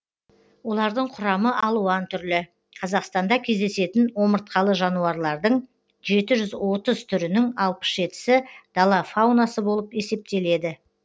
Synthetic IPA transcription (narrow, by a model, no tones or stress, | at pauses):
wo̞lˠɑɾd̪əɴqʰʊɾɑməʔɑlˠuɑnt̪ʰʏɾlɪ | qʰɑzɑqst̪ɑnd̪ɑkʲʰe̞zd̪e̞se̞t̪ɪnwo̞məɾt̪̚qʰɑlˠəʒɑnuɑɾlˠɑɾd̪əɴ | ʒe̞t̪ɪʒʏzwo̞t̪əzt̪ʰʏɾɪnɪŋɑlˠpə̥sʒe̞t̪ɪ̥sɪd̪̥ɑlˠɑfawnasəbo̞lˠəpe̞se̞p̚t̪e̞le̞d̪ɪ